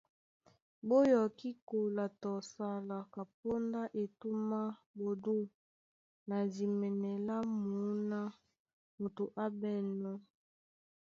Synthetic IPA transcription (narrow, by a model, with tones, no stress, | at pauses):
bo˦jɔ˨ki˦ko˨la˨tɔ˨sa˦la˨ka˨p̚o˦nda˦ʔe˨tu˦ma˦bo˨du˦ | na˨zi˨mɛ˨nɛ˨la˦mu˨˦na˦ | mu˨tu˨ʔa˦bɛ˦˨nɔ˦